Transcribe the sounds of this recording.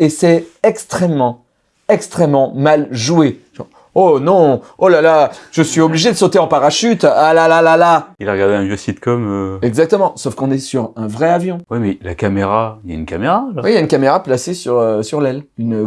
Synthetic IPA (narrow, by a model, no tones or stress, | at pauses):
esɛɛkst̪χɛmːɑ̃ | ɛkst̪χɛmːɑ̃malʒueʒɑ̃ | onɔ̃olalaʒ̥əsɥiɔbliʒed̪əsot̪eɑ̃paʁaʃyt̪alalalalailaʁəɡaʁd̪eɛ̃vjøsit̪kɔmøɛɡzak̚t̪əmɑ̃sofkɔ̃nɛsyʁɛ̃vʁɛavjɔ̃wimɛlakameʁailja̰ynkameʁalɔwijaynkameʁaplasesyʁøsyʁlɛlyn